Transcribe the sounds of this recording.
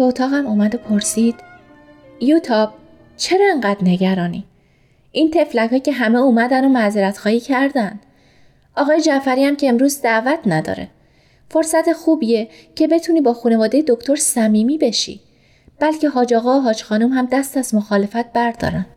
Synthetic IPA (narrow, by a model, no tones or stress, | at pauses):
eot̪ʰɒːɣæmuːmæd̪o̞pʰo̞ɾsiːd̪̥ | jut̪ʰɒːb̥̚ | t͡ʃʰe̞ɾɒeŋɢæːd̪ne̞ɟæɾɒːnḭː | ʔint̪ʰe̞flækhɒːcʰe̞ɦæmeuːmæd̪ænomæzeɾæt̪xɒːhiːcʰæɾd̪ænd̪ | ɒːɣɒːje̞d͡ʒæfæɾiːæmcʰeːmɾuːzd̪æʔvæt̪ʰnæd̪ɒ̰ːɾe̞̰ | fo̞ɾsæt̪ʰe̞xuːbie | cʰe̞be̞t̪ʰuːniːbɒːxuːne̞vɒːd̪e̞je̞d̪ocʰt̪ʰo̞ɾsæmiːmiːbe̞ʃḭ | b̥ælcʰe̞ɦɒːd͡ʒɒːɣɒːoɦɒːd͡ʒxɒːnumhæmd̪æst̪æzmoxɒːle̞fæt̪̚b̥æɾd̪ɒ̰ːɾæn